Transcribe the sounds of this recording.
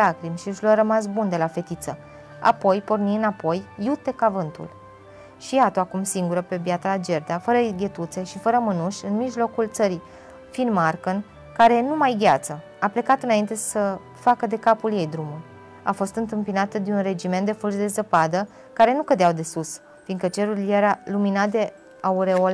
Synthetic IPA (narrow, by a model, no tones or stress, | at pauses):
lakɾimʃiɨʃluaɾəmasbund̪e̞lafe̞t̪it̪sə | a̰po̞jpo̞rniɨnapo̞jːut̪e̞kavɨnt̪ṵl | ʃijat̪oakumsiŋɡuɾəpe̞bjat̪əlad͡ʒe̞rd̪afəɾəɡʲe̞t̪ut̪se̞ʃifəɾəmɨnuʃʲɨnmiʒlo̞kult̪səɾi | finmarkən | kaɾe̞numajɡʲat̪sə | aple̞kat̪ɨnaint̪e̞sə | fakəd̪e̞kapulje̞jd̪ɾumu | a̰fo̞st̪ɨnt̪ɨmpinat̪əd̪eunre̞d͡ʒiment̪d̪e̞fulʃd̪e̞zəpad̪ə | kaɾe̞nukəd̪eawd̪e̞sus | finkət͡ʃe̞ɾuɾiljeɾaluminat̪̚d̪e̞ | auɾe̞ol